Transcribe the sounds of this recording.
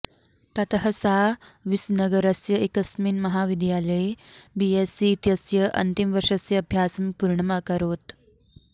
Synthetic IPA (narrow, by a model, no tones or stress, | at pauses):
t̪ɐt̪ɦəsaʋisnəɡəɾəsjəekəsmiːnmɐɦaʋid̪jaləjbiesiːt̪jəsjəʔɐ̰nt̪imʋəʂəsjəːbʱjasɐmpuɾɳəmakəɾoːt̪